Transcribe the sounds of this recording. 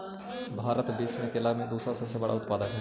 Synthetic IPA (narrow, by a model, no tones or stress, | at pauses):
bʱaːɾət̪biːsmẽkelamẽd̪uːsɾasəbsebɐɽa̰ʊt̪paːd̪ənɦɛ